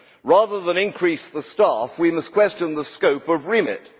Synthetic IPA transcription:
ɹæðə˞ðə̃nɪ̃nkʰɹ̥isðəstæfwimʌskʰw̥ɛst͡ʃɨ̃nðəskəʊpʌvɹimɪ̰t̚

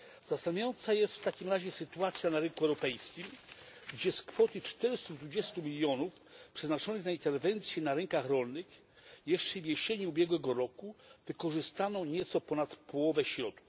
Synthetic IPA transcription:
z̥ast̪amjajɔnt̪sajɛst̪ft̪akʲimɾaʑɛsɘt̪uat̪sʲjanaɾɘŋkuɛwɾɔpɛjskʲimɡd͡ʑɛskfɔt̪ɘt͡ʂt̪ɛɾɘst̪ud̪vud͡ʑɛst̪umʲilʲjɔnuf | pʂɛznat͡ʂɔnɘxnaint̪ɛɾvɛnt̪sʲjɛnaɾɛŋkaxɾɔlnɘx | jɛʂt͡ʂɛivʲjeɕeɲuːbʲjɛɡwɛɡɔɾɔkuvɘkɔʐɘst̪anɔ̃w̃ɲɛt̪sɔpɔnat̪pʰɔwɔvɛɕɾɔt̪u̥

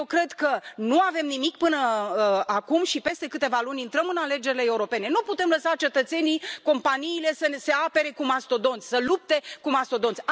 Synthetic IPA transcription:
ewkɾe̞d̪kənuave̞mnimikpɨnəakumʃipe̞st̪e̞kɨt̪e̞valunʲint̪ɾəmɨnale̞d͡ʒe̞ɾileeuɾo̞pe̞ne̞nuput̪e̞mləsat͡ʃe̞t̪ət̪se̞niko̞mpaniːle̞səse̞ape̞ɾe̞kumast̪o̞d̪o̞nt̪sʲsəlup̚t̪e̞kumast̪o̞d̪o̞nsʲ

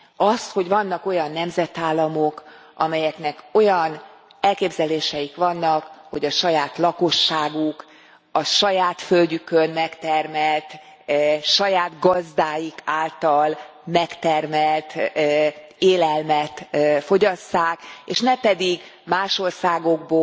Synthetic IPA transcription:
ɒst̪ho̞ɟvɒnːɒko̞jɒnːɛmzɛt̪aːlːɒmok | ɒ̰mɛjɛknɛko̞jɒn | ɛlkeːbzɛleːʃɛjikʋɒnːɒkho̞ɟɒʃɒjaːt̪lɒko̞ʃːaːɡuk | ɒʃɒjaːt̪følɟykønmɛkt̪ɛrmɛlt̪ | ʃɒjaːd̪ɡɒzd̪aːjikaːlt̪ɒl | mɛkt̪ɛrmɛlt̪ | eːlɛlmɛt̪fo̞ɟɒsːaːkeːʃnɛpɛd̪iɡ | maːʃo̞rsaːɡo̞ɡ̚boː

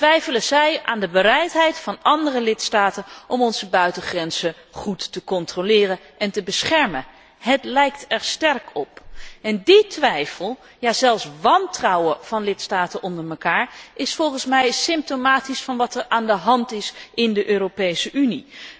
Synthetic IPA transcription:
tʋɛjfələzɛjaːndəbəɾɛjtɦɛjtfɑnɑndərəlɪtstaːtənʔɔmɔnz̥əbœɥtəχrɛnz̥ə | χutːəkɔntrolɪːrə | ɛntəbəsχɛɹmə | ɦətlɛjktɛɹstɛɹkʰɔpɛnditʋɛjfəlˠ | jaːzɛlˠfsʋɑntrɑwəv̥ɑnlɪtstaːtənɔndəɹməkaːɹʔɪsfɔlˠχənsmɛjsɪmp̚tomaːtisfɑnʋɑtɛɹaːndəɦɑntɪsʔɪndəʔøːropejsəʔyni

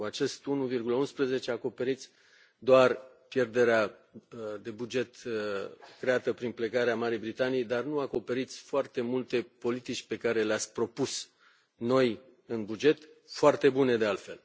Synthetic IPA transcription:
kuat͡ʃe̞st̪unuvirɡuləunspɾeze̞t͡ʃeako̞pe̞ɾit̪sʲ | d̪oar | pje̞rd̪e̞ɾea | d̪e̞bud͡ʒe̞t̪ | kɾe̞at̪əpɾinple̞ɡaɾeamaɾijbɾit̪anijejd̪arnuako̞pe̞ɾit̪sʲfoart̪e̞mult̪e̞po̞lit̪it͡ʃʲpe̞kaɾe̞leat̪sʲpɾo̞pus | no̞j | ɨnbud͡ʒe̞t̪foart̪e̞bune̞d̪e̞alt̪fe̞̰l

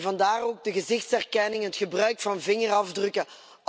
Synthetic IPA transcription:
vɑndaːroːɡ̚dəɣəzɪxtsɛrkɛnɪŋɦətxəbrœɥkfɑnvɪŋərɑvdrɵkə

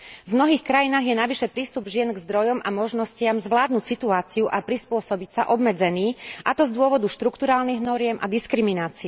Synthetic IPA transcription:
vmnɔɦiːxkɾajinaːɣjɛnaʋiʃɛpɾiːst̪ubʒɪɛnɡzd̪ɾɔjɔmamɔʒnɔscɪamzʋlaːd̪̚nucsit̪uaːt͡siuʔapɾispʊɔsɔbicsaʔɔbmɛd͡zɛniːʔat̪ɔzd̪ʊɔʋɔd̪uʃt̪ɾukt̪uɾaːlniɣnɔɾɪɛmʔa̰d̪iskɾiminaːt͡siɛ

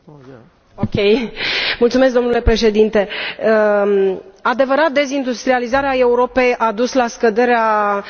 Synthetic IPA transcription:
okʲejmult̪sumesk̚d̪o̞nule̞pɾe̞ʃe̞d̪int̪e̞ə | ad̪e̞vəɾat̪̚d̪e̞zind̪ust̪ɾializaɾeae̞uɾo̞pe̞jʔad̪uslaskəd̪e̞ɾea

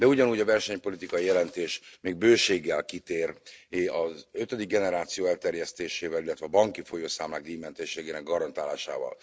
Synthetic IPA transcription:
d̪ɛuɟɒnuːɟɒvɛrʃɛɲpo̞lit̪ikɒjijɛlɛnt̪eːʃmeːɡ̚bøːʃeːɡːɛlkit̪eːrɒzøt̪ød̪iɡ̚ɡɛnɛɾaːt̪sijoːɛlt̪ɛrjɛst̪eːʃeːvɛlilːɛt̪vɛɒbɒŋkifo̞joːsaːmla̰ːɡ̚d̪iːmɛnt̪eʃeːɡeːnɛɡɒɾɒnt̪aːlaːʃa̰ːvɒ̰l

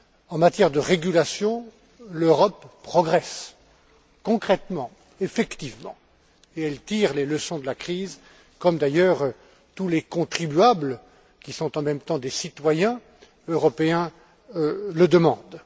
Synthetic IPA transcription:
ɑ̃mat̪jɛʁd̪əʁeɡʲylasjɔ̃ | løʁɔpːχɔɡʁɛs | kɔ̃kχɛt̪mɑ̃ | efɛkt̪ivmɑ̰̃ | eɛlt̪iʁleləsɔ̃d̪əlakχiːz | kɔmd̪ajœːʁ | t̪ulekɔ̃t̪χibyablə | kʲisɔ̃t̪ɑ̃mɛmt̪ɑ̃d̪esit̪wajɛ̃ | øʁɔpeɛ̃ | ləd̪əmɑ̃d̪

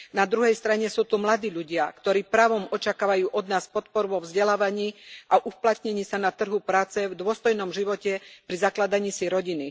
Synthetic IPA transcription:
nad̪ɾuɦɛjst̪ɾaɲɛsuːt̪umlad̪iːʎuɟɪakt̪ɔɾiːpɾaːʋɔmɔt͡ʃakaːʋajuːʔɔd̪naːspɔt̪pɔɾuʋɔvzɟɛlaːʋaɲiːʔaʔuplat̪ɲɛɲiːsanat̪r̩ɦupɾaːt͡sɛvd̪ʊɔst̪ɔjnɔmʒiʋɔcɛpɾizaklad̪aɲiːsiɾɔɟini

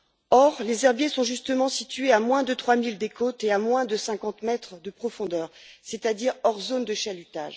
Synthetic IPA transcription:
ɔʁlezɛʁbjesɔ̃ʒyst̪əmɑ̃sit̪ɥeamwɛ̃d̪ət̪χwamild̪ekot̪eamwɛ̃d̪əsɛ̃kɑ̃t̪mɛt̪χəd̪əpχɔfɔ̃d̪œːʁset̪ad̪iʁɔʁzond̪əʃalyt̪a̰ʒ

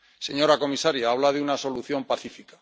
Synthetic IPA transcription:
se̞ɲo̞ɾako̞misaɾjaaβlaðeunaso̞luθjo̞mpaθifikḁ

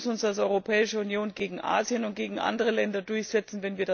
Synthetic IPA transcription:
snʊnsd̥als̬ʔɔʏʁopʰɛːɪʃəunjoːnɡeːɡŋ̩ʔa̰ːzjənʊnt̚ɡ̥eːɡŋ̩ʔa̰ndəʁəlɛndɐdʊɐçz̥ɛt͡sn̩vɛnviːɐd

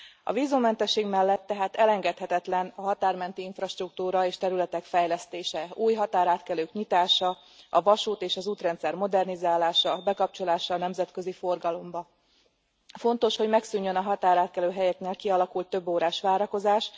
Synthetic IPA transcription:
ɒ̰viːzumːɛnt̪ɛʃːeːɡmɛlːɛt̪ːɛɦaːt̪ɛlɛŋɡɛt̪hɛt̪ɛt̪lɛnɒɦɒt̪aːrmɛnt̪iiɱfrɒʃt̪ruk̚t̪uːɾɒeːʃt̪ɛɾylɛt̪ɛkfɛjlɛst̪eːʃɛuːjɦɒt̪aːɾaːt̪kɛløːkɲit̪aːʃɒ | ʔɒvɒʃuːt̪eːʃɒzuːt̪rɛnt̪sɛrmo̞d̪ɛrnizaːlaːʃɒbɛkɒp̚t͡ʃo̞laːʃɒnɛmzɛt̪kø̞zifo̞rɡɒlo̞mbɒ | fo̞nt̪o̞ʃho̞ɟmɛksyɲːønɒɦɒt̪aːɾaːt̪̚kɛløːɦɛjɛkneːlkiɒlɒkult̪ːø̞bːoːɾaːʃʋaːɾɒko̞zaːʃ

